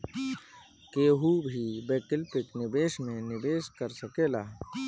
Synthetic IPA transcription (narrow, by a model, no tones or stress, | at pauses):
keːɦubʱibeːkɪlpɪknɪbeːʃmẽnɪbeːskəɾsəkeːlaː